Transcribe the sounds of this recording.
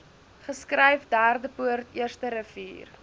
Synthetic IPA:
χəskrɛjfdæːrdəpuərtiərstəɾəvḭːr

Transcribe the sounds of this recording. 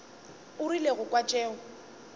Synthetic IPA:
ʊrileɣʊkʼwat͡ʃʼɛːʊ

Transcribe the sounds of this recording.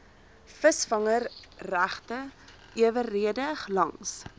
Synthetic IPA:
fəsfɐŋərræχtə | ʔiəvərːiədəχlɐŋs

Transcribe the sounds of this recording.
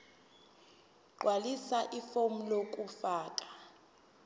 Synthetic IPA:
ǃwalisaʔifom̩lokʼufaːkʼḁ

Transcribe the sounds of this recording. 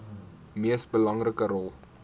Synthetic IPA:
miəsbəlɐŋrəkəɾɔlˠ

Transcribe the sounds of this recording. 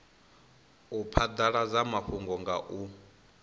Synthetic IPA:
upʰad̪aɺad͡zamaɸuŋɡɔŋɡaʔu

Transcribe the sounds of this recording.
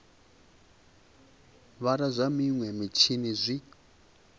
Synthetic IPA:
βaɾazʷamiŋwɛmit͡ʃʰinizʷi

